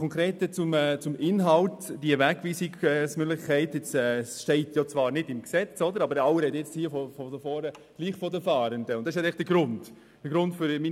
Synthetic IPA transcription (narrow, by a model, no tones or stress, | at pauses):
ɔŋkɾeːtət͡sʊmɛt͡sʊmɪnɦɑltd̥iəvɛɡviːsiɡsmøɡlɪχkʰɛɪtɪt͡sɛʃtɛɪtjot͡sʋɑːɾnɪdɪmksɛt͡sɔdəɾɑbəɾɑwəɾɛtjɛt͡sthiːəfɔfɔdəfɔːɾəɡ̥liːχfɔdəfɑːɾəndəʊntd̥ɑs̬hɛɪlɪχd̥əɡ̥ɾʊnd | d̥əɡɾʊntfʏɾmi